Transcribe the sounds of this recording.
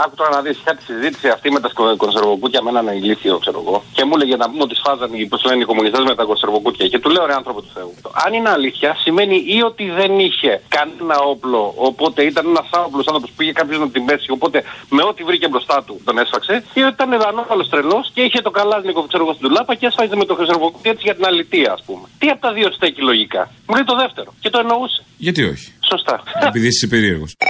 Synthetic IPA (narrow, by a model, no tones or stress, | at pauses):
ɐkut̪oɾɐnɐðisçɐt̪i̥sizit̪i̥siɐft̪imet̪ɐsoko̞nse̞ɾvo̞kut̪çɐmenɐneliθio̞̰kse̞ɾo̰ɣo̞ce̞muleʝenɐpumo̞t̪isfɐzɐnposleneiko̞munist̪e̞zme̞t̪ɐko̞nse̞ɾvo̞kut̪çɐce̞t̪uleoɾeɐnθɾo̞pit̪u̥θe̞uɐ̰nineɐliθçɐsime̞niʔio̞t̪iðe̞niçe̞kɐnenɐo̞plo̞ːpo̞t̪e̞it̪ɐnenɐsɐnoplosɐnθopospuiçe̞kɐpço̞znɐt̪imbe̞sio̞po̞t̪e̞me̞o̞t̪ivɾicebɾo̞st̪ɐt̪ut̪o̞ne̞sfɐkse̞iot̪it̪ɐneɐno̞vɐlo̞st̪ɾe̞lo̞sce̞içe̞t̪o̞kɐlɐznikoθkseoɣost̪d̪ulɐpɐceesfɐzemet̪oxɾisɾovokot̪iet̪isiʝɐt̪inɐlit̪iɐːspume̞t̪iɐpot̪ɐðio̞st̪ecilo̞ʝikɐ̰ | mulejt̪o̞ðe̞ft̪e̞ɾo̞ce̞t̪oeno̞use̥ʝɐt̪io̞̰çi̥so̞st̪ɐepiðissepeɾieɾɣos